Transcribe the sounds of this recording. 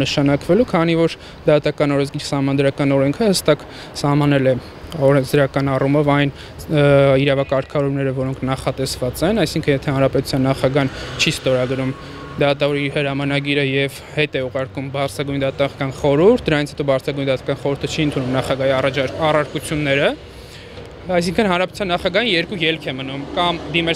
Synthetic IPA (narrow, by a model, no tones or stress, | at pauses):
nəʃɑnɑkvɛlukʰɑnivɔɾ | d̪ɑt̪ɑkɑnɔɾɛnzɡiɾsɑhmɑnɑd̪ɾɑkɑnɔɾɛŋkʰəhəst̪ɑk | sɑhmɑnɛlɛ | ɔɾɛnzd̪əɾɑkɑnɑrumɔvɑjn | iɾɑvɑkɑɾkʰɑvɔɾumnɛɾəvɔɾɔŋkʰnɑχɑt̪ɛsvɑt͡sɛnɑjsiŋkʰənjɛt̪ʰɛhɑnɾɑpɛt̪u̥t͡sʰjɑnːɑχɑɡɑnt͡ʃʰist̪ɔɾɑɡɾum | d̪ɑt̪ɑvɔɾihəɾɑmɑnɑɡiɾəjɛv | hɛt̪ɛuʁɑɾkumbɑɾt͡sʰɑɡujnd̪ɑt̪ɑʁkɑnχɔɾuɾt̪̚ʰd̪əɾɑnit͡sʰhɛt̪ɔbɑɾt͡sʰɑɡujnd̪ɑt̪ɑ̥kɑnχɔɾuɾt̪ʰət͡ʃʰiənt̪ʰunumnɑχɑɡɑjiɑrɑɑrɑɾkut͡sʰjunːɛɾə | ɑjs̬iŋkʰənhɑnɾɑpɛt̪u̥t͡sʰɑnːɑχɑɡɑjinjɛɾkujɛlkʰɛmənumkɑmd̪imɛ